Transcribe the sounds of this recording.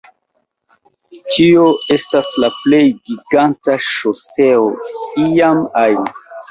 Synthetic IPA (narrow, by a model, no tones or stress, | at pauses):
t͡ʃio̞e̞staslaple̞jɡiɡantaʃose̞oijama